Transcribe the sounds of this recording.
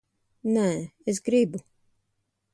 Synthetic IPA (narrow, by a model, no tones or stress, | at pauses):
nɛːes̬ɡɾibu